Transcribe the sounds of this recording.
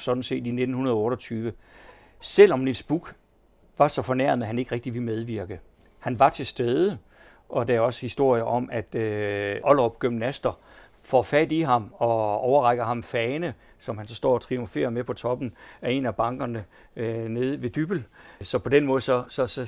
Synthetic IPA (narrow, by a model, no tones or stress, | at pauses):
sɒ̽d̥n̩se̝̰ːd̥ine̝d̥n̩hunɐð̞ˠɔːɾɒt͡sʰyːʋə | sel̰ɒ̽mnensb̥uɡ̥ | ʋɑ̈sɒ̽fɒ̽næɐ̰n̩ˠæɦæne̝ɡ̥ʁɛɡ̥̚d̥iʋilmeð̞ˠʋiɐɡ̥əhænʋɑ̈t͡sʰe̝sd̥eðˠə | ʔɒ̽d̥eæɒ̽sə̥hisd̥o̝ɐ̰jɐʔɒ̽mæd̥øɒlʁɒb̥̚ɡ̥ymnæsd̥ɐ | fɒ̰ːfæd̥iɦɑ̈mɒ̽ɒʊɐʁɑ̈ɡ̥ɐɦɑ̈mfɛːnə | sɒ̽mhænsɒ̽sd̥ɒ̰ːɒt͡sʰʁio̝mfe̝̰ːɐmepʰɒ̽t͡sʰɒ̽b̥n̩æe̝̰ːnæb̥ɑ̈ŋɡ̥ɐnə | ne̝ðˠʋe̝d̥yb̥l̩sɒ̽pʰɒ̽d̥enmɔ̽ːð̩ˠsɒ̽sɒ̽sɒ̽